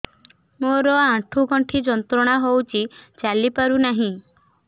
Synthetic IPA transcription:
moɾɔãʈʰuɡʱɔɳʈʰid͡ʒɔnt̪ɾɔɽ̃aɦowt͡ʃʰit͡ʃalipaɾunaɦĩ

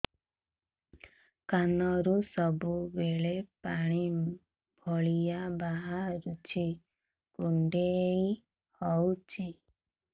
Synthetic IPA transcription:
kanɔɾusɔbubeɭepaɽ̃i | bʱɔɭijabaɦaɾut͡ʃʰi | kuɳɖej | hɔwt͡ʃʰi

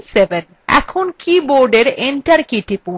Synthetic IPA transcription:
seben | ɛ̰kʰonkiboɾɖeɾenʈaɾkiʈipu

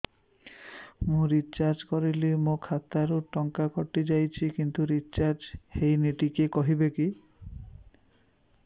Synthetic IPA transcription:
mũɾit͡ʃaɾd͡ʒkɔɾilimũkʰat̪aɾuʈɔŋkakɔʈid͡ʒajt͡ʃʰikint̪uɾit͡ʃaɾd͡ʒhejniʈikekɔɦibeki

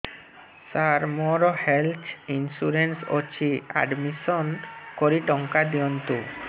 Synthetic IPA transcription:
saɾmɔɾɔhelt̪ʰinsuɾensot͡ɕʰia̰ɖmisɔnkoɾiʈɔŋkad̪iɔnt̪u

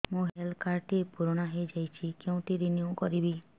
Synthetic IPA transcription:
mũɦelkaɾʈiepuɾɔɽ̃aɦejd͡ʒajt͡ʃʰikeũʈ̪iɾiniukɔɾibi

